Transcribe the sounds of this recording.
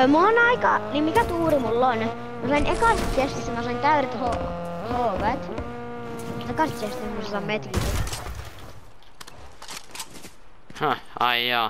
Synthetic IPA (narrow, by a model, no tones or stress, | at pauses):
muonɑikɑnimikæt̪uːɾimulːon | misɑinekɑrt̪sest̪ismæsɑint̪æyɾet̪hohoːʋet̪ | t̪ekɑrt̪ːiest̪ismusɑsɑmmet̪risi | ha | ɑiɑ